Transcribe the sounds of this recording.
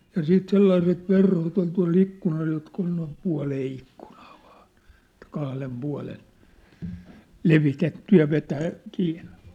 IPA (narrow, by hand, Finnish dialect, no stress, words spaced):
jɑ siːt selːɑiset ʋerhot ol tuɑ̝l ikːunɑl jotk ol noim puɑ̝leː ikːu̥n̥ɑ̥ː ʋ̥ɑ̥ːn̥ et kɑhlem puɑ̝len leʋitetːy jɑ ʋetæː kiːnːe̥